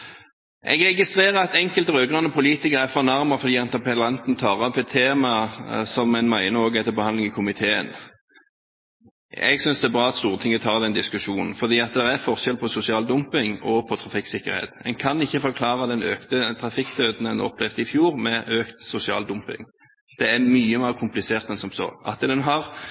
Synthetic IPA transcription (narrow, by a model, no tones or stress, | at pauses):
ʔɛ̰ɡɾɛɡɪst̪ʁeːʁəɾɑt̪ɛŋkəlt̪ʁøːɡʁɑnəpʰʊliːt̪ɪkəʁæfɔnɑʁmɑfɔɾd̪iːɛnt̪əpʰɛlɑnt̪nt̪ʰɑːʁɔpːɛt̪ʰːeːmɑsɔmɛɪnmæɪnəoːɡɛt̪ːəbəhɑnd̪lɪŋɪkʰʊmɪt̪ʰeːə̰n | ɛ̰ɡsʏnsd̪ɛæɛbʁɑːɑt̪st̪uːʁət̪ʰɪŋːət̪ʰɑːʁd̪ɛnd̪ɪskʉʃuːnən̩fɔɾd̪iːɑt̪d̪ɛʁæfɔʁʃɛlpʰɔsʊsɪɑːld̪ʊmpɪŋɔpʰɔt̪ʰʁɑfɪksɪkːə̰ɾhḛːt̪ɛnkʰɑnɪçːəfɔʁkʰlɑːʁɑd̪ɛnøːkt̪ət̪ʰʁɑfɪkt̪ʰøːd̪n̩d̪ɛnɔ̰plɛfd̪əɪfjuːʁmɛʔøːkt̪sʊsɪɑ̰ːld̪ʊmpɪ̰ŋ | d̪̥ɛæmyːəmæʁkʰʊmplɪseːʁt̪ɛnsɔmsɔ̰ʔɑ̰t̪d̪ɛnɦɑʁ